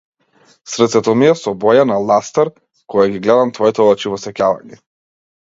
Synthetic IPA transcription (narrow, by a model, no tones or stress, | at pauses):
sɾɛt̪sɛt̪ɔmiɛsɔbɔjanalˠast̪aɾ | kɔjaɡʲiɡlɛd̪amt̪vɔɛt̪ɔlˠat͡ʃivɔsɛkʲalˠa̰ɲɛ